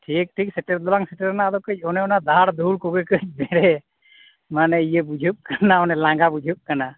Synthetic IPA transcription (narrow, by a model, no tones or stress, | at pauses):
ʈʰik̚ʈʰik̚sɛʈəɾd̪ɔlaŋsɛʈəɾnad̪ɔkəc̚ˀɔnɛɔnad̪aaɽd̪uɽkuɡəkəc̚ˀbɛɾɛ | manɛijəbud͡ʒʱup̚kanaɔnɛlaŋɡabud͡ʒʱup̚kana